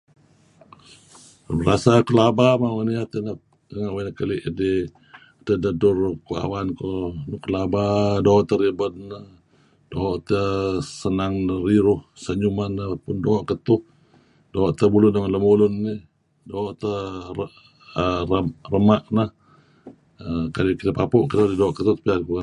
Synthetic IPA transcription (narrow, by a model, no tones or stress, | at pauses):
məɾasakəlabamawaniat̪ənəh | əŋaʔwanəkəliʔdi | t̪ədədʊrkua̰wankonukəlabadoɦɔʔt̪əɾibətnə | d̥oɦɔʔt̪əsənaŋnəɾiɾʊhsəɲumanːəpʊndɔɔʔkət̪ʊh | doɔʔt̪əbulʊnːəŋləmulʊnːi | doɦɔʔt̪ə | ərərəmaʔnəh | əkalikit̪əpapuʔkət̪udidoɔʔkət̪ʊht̪piaku